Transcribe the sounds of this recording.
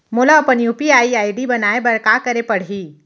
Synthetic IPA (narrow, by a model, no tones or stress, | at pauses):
moːlaːpənjupiaːiaːiɖibənaːebɐɾkakəɾepəɽ̤i